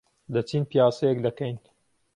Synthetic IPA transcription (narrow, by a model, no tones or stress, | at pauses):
d̪ɐt͡sinpijaːsɐjɛkd̪ɐkɛjn